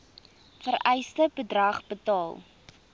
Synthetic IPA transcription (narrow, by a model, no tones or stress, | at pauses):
fərɛjstəbədrɐχbətɑːlˠ